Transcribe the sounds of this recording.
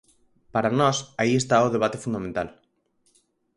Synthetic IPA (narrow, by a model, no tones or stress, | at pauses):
paɾanɔsaiest̪aoð̞eβ̞at̪efund̪amẽnt̪a̰l